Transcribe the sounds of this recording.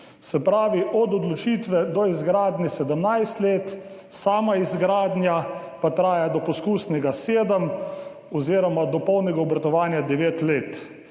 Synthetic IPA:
sɛpɾaːʋiʔɔd̪ɔd̪lɔt͡ʃiːt̪ʋɛd̪ɔizɡɾaːd̪nɛsɛd̪əmnajst̪leːt̪ | saːmaizɡɾaːd̪nja | pat̪ɾaːjad̪ɔpɔskuːsnɛɡaseːd̪əm | ɔziːɾɔmad̪ɔpɔwnɛɡaɔbɾat̪ɔʋaːnjad̪ɛʋeːt̪leːt̪

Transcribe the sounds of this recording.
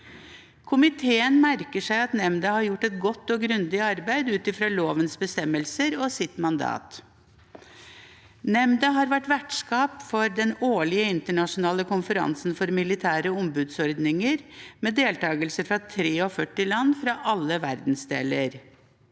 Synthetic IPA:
kʰʊmɪt̪ʰeːənmæɾkəʂæɪɑt̪nɛmd̪əhɑɾjʊʈːɛt̪̚ɡɔt̪ːɔɡɾʉnd̪ɪɑɾbæɪd̪ʉːt̪ɪfɾɑːloːʋənsbəst̪ɛmːəlsəɾɔsɪt̪mɑnd̪ɑ̰ːt̪ | nɛmd̪əɦɑːɾʋæʈʋæʈʂkɑːpfɔɾd̪ɛnoːɭɪəɪnt̪əɳɑʂʊnɑːləkʰʊnfəɾɑ̰nsnfɔɾmɪlɪt̪ʰæːɾəɔmbʉːd̪sɔɾd̪nɪŋəɾmeːd̪eːlt̪ɑːɡəlsəɾfɾɑt̪ʰɾeːɔfœʈːɪlɑnːfɾɑʔɑlːəʋæɾd̪n̩sd̪ḛːləɾ

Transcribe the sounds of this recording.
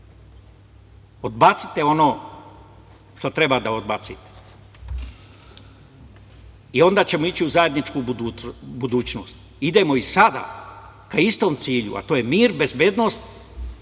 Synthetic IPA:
od̪bat̪si̥t̪e̞o̞no̞ː | ʃt̪o̞t̪ɾe̞bad̪ao̞d̪bat̪sḭt̪e̥ | io̞nd̪aːt͡ɕe̞moit͡ɕiuzaje̞d̪nit͡ʃkuːuubud̪uːt͡ɕno̞ːst̪ | id̪e̞mo̞isad̪a̰ | kaist̪o̞mt̪siːʎṵʔa̰t̪oːjemiːɾbe̞zbe̞ːd̪nost̪

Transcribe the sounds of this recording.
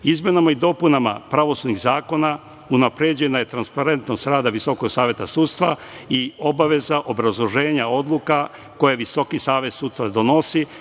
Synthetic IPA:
izmenamaid̪o̞punama̰pɾaʋo̞sud̪niɣzaːko̞na | unapɾed͡ʑe̞naje̞t̪ɾanspaɾe̞nt̪no̞st̪ɾaːd̪aʋiso̞koɡsaːʋje̞t̪asuːt̪st̪ʋa | io̞baʋe̞zaʔo̞bɾazlˠo̞ʒe̞ːɲao̞d̪lˠuka | ko̞jeʋiso̞kisaːʋe̞t̪suːd̪st̪ʋad̪o̞no̞si

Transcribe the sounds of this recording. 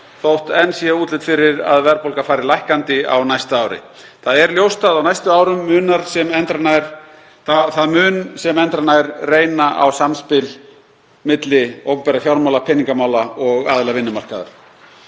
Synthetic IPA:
θowht̪ɛnːsiauːt̪lɪt̪fɪɾɪɾa̰ðvɛɾpowlkafaːjɾɪɾlajhkant̪ɪa̰wnajst̪ʏaːwɾɪ̰ | θaðɛɾljowst̪aðawnajst̪ʏaːwɾʏmːʏːnaɾ̥sɛmɛnt̪ɾanajɾ̥ | aθaðmʏːnsɛmɛnt̪ɾanajɾreːjnaʔa̰wsamspɪl | mɪt̪lɪowkpɛɾafjawɾmawlapʰɪnːiŋkamaːwlaɔɣa̰ːðɪlavɪnːʏmar̥kaða̰ɾ̥

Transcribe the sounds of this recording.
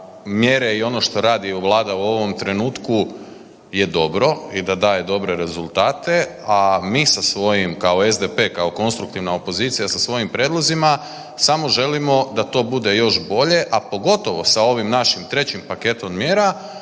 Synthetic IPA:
mje̞ɾe̞io̞no̞ʃt̪o̞ɾaːd̪iʋlˠaːd̪auo̞ʋo̞mt̪ɾe̞nuːt̪ku | je̞d̪o̞bɾo̞id̪ad̪aːje̞d̪o̞bɾe̞ɾe̞zulˠt̪aːt̪e̞ | amiːsasʋo̞jimkao̞ezd̪epe̞ːkao̞ko̞nst̪ɾukt̪iʋnaopo̞ziːt̪sijasasʋo̞jimpɾʲje̞ːd̪lˠo̞zima | samo̞ʒe̞limo̞d̪at̪o̞ːbud̪e̞jo̞ʃbo̞ʎe̞ʔapo̞ɡo̞t̪o̞ʋo̞sao̞ʋimnaʃimt̪ɾe̞t͡ɕimpake̞t̪ommjeːɾa

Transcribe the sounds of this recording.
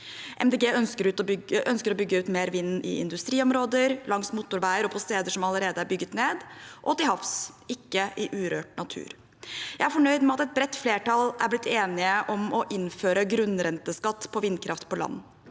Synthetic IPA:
ʔɛmd̪eɡeːœnskəɾʉːt̪ɔʏʔœnskəɾɔbʏɡːəʉːt̪meːɾʋɪnn̩ʔɪ̰ɪ̰nd̪ʉst̪ɾiːɔmɾoːd̪əɾlɑŋsmʊt̪ːʊɾʋæɪəɾɔpʰɔst̪eːd̪əʂɔmɑləɾeːd̪əæɾbʏɡːət̪neːd̪ʔɔt̪ɪlhɑfs | ɪkːəʔɪʔʉːɾøːʈnɑt̪ʰʉ̰ːɾ | jæɪæɾfɔɳœʏd̪mɛɑt̪ɛt̪̚bɾɛt̪ːfleːʈɑlæ̰ɾblɪt̪ʰːeːnɪəʔɔmɔʔɪnføːɾəɡɾʉnːɾɛnt̪əskɑt̪ːpʰɔʋɪnːkʰɾʔɑft̪pʰɔlɑ̰nː

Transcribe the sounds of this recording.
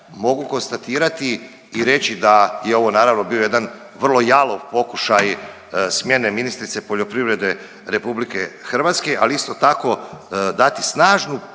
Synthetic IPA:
mo̞ɡuko̞nst̪at̪iːɾat̪iː | ɾe̞t͡ɕid̪ajeo̞ʋo̞naːɾaʋno̞bio̞je̞d̪an | ʋr̩lˠo̞jalˠoʋpo̞kuʃaj | smje̞ne̞minist̪ɾit̪sepoʎo̞pɾiʋɾe̞d̪e̞ | ɾe̞publike̞xr̩ʋaːt̪ske̞ʔaliist̪o̞t̪ako̞d̪at̪isnaːʒnu

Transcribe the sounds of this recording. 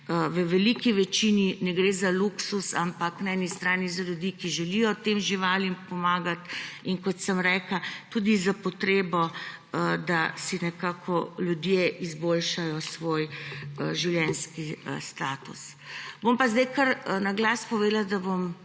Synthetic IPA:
əʋəʋɛlikiʋɛt͡ʃininɛɡɾeːzaluksusampaknaɛnist̪ɾaːnizaljud̪ikiʒɛlijɔt̪emʒiʋaːlimpɔmaːɡat̪iŋkɔt̪səmɾɛkat̪ud̪izapɔt̪ɾeːbɔ | əd̪asinɛkaːkʰɔljud̪jeʔizbolʃajɔsʋojəʒiwljɛnskiəst̪aːt̪us | bompazd̪ajkəɾnaɡlaːspɔʋeːd̪lad̪abom

